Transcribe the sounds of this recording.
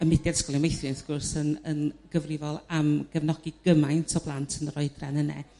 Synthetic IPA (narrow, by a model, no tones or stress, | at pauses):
əmɪdjad̥skɔlˠɪnmejθjɔnθɡ̥ʊrsənənɡ̥əvrɪvɔlˠamɡ̥əvnɔɡiɡ̥əmajntʰɔb̥lˠantʰənrɔɨdrɛnənɛ̰